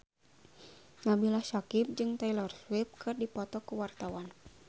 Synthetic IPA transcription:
nabilahsakip̚d͡ʒɨŋt̪ailɔrswip̚kʰɨrdipɔt̪ɔkəwart̪awan

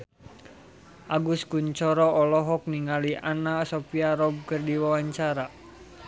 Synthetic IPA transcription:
ʔaɡuskuɲt͡ʃɔɾɔʔɔlɔɦɔk̚niŋaliʔanasɔpiaɾɔb̚kərdiwawaɲt͡ʃaɾa

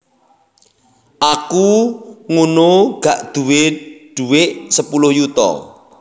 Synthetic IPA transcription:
ʔakuŋunoɡ̥aʔd̪̥uweɖ̥uwɪʔsəpulʊhjut̪ɔ̰

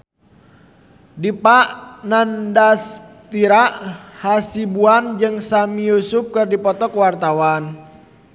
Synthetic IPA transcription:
dipaʔnandast̪iɾaʔhasibuand͡ʒɨŋsamijusup̚kɨrdipɔt̪ɔkəwart̪awan

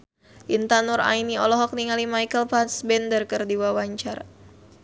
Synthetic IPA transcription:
ʔint̪anuɾa̰iniɔlɔɦɔk̚niŋalimajkəlpansbɛndərkərdiwawaɲt͡ʃar

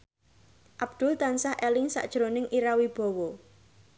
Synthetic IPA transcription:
ʔab̥̚d̪̥ʊ̤lt̪ansahʔelɪŋsa̰ʔd̥ʒ̥ɾonɪŋʔiɾawib̥ɔ̤wɔ

